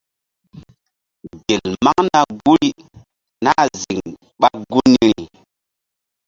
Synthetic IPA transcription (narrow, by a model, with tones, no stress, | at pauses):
ɡe˨lma˦ŋna˨ɡu˦ɾi˦ | na˦zi˨ŋ | ɓa˦ɡu˦ni˦ɾi˨